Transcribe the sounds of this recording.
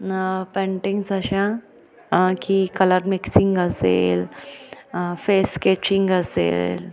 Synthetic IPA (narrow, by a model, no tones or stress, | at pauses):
pɛ̃ɳʈĩŋɡsəɕã | kikələɾmiksiŋɡəsḛl | feskɛt͡ɕiŋɡəsḛl